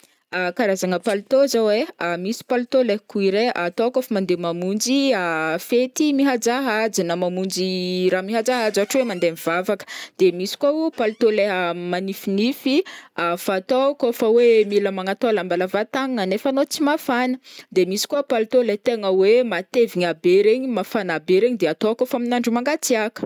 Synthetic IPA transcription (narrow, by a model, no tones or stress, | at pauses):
akaɾazaŋəpalit̪ozaweamisi̥palt̪olekuiɾeat̪okofəmand̪emamund͡ʒiafet̪imiɦad͡zaɦad͡zinəmamund͡ʒiɾamiɦad͡zaɦad͡zaaʈ͡ʂwemand̪emiv̥avakə̥d̪̥emisi̥kaupalt̪oleɦəmanifinifiafat̪okofəwemiləmaŋat̪olambalavat̪aŋŋanefanot͡simafanəd̪emisi̥kuəpalit̪olet̪eŋəwemat̪eviɲabeɾeɲimafanabeɾeɲid̪eat̪okofaminaɳɖ͡ʐumaŋɡat͡siakə̥